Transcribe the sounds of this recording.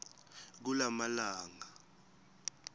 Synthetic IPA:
k̬ulamalaːŋa

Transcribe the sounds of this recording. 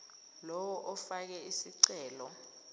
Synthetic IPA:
lɔwɔʔɔfak̬ɛisiǀɛːlɔ

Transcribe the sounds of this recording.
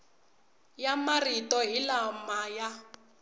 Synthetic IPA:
jamaritɔɦilamaja

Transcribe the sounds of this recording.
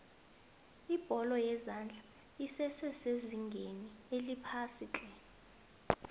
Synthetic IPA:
ib̥ʱɔlɔjɛzand͡ɮʱa | isɛsɛseziŋɡʱenielipʰasit͡ɬʼɛ

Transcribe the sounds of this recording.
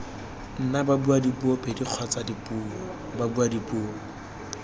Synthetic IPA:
n̩nababuadibuɔpediq͡χʰwat͡sadipʼuːɔ | babuadipuːɔ

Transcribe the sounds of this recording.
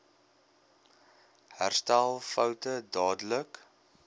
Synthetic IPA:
hærstælˠfœwtədɑːdələk

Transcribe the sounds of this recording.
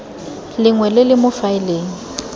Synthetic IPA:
lɪŋwɛlɪlɪmʊfaɪleːŋ̩

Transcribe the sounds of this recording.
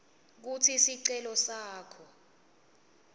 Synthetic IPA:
k̬utʰisiǀɛlɔsaːkʰɔ

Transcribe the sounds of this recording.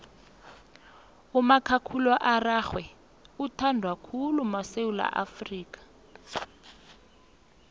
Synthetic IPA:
umakʰakʰulɔʔaraxwɛ | utʰandʱwakʰulumaseula̰ʔa̰friːkḁ

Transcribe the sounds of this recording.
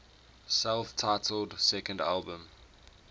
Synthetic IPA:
sɛlˠftʰaɪtʰəldsɛkə̃nda̰lˠbə̃m

